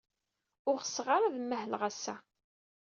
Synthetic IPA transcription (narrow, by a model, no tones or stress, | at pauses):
ʊɾəsːʁaɾaðməɦlʁæsːæ̰